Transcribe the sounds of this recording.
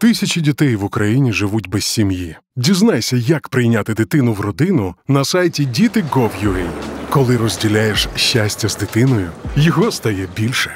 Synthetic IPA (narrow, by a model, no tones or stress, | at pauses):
t̪ɪsʲɐt͡ʃʲidʲit̪ɛjʋʊkɾɐjinʲiʐɪʋut̚ʲbɛsːʲimjidʲiznajsʲɐjɐkpɾɪjnʲat̪ɪd̪ɪt̪ɪnʊwrɔd̪ɪnʊnɐsajtʲidʲit̪ɪɡɔwjʊɾejnkɔlˠɪɾɔzʲdʲilʲajeʃʃt͡ʃːasʲtʲɐzd̪ɪt̪ɪnɔjʊjɔɦɔst̪ɐjɛbʲilʲʃɛ̥